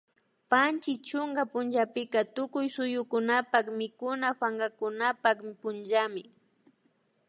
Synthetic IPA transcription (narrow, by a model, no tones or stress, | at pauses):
pant͡ʃɪt͡ʃʊŋɡapʊnt͡ʃapɪkat̪ʊkʊjsʊjʊkʊnapakmɪkʊnafaŋɡakʊnapakpʊnʒamɪ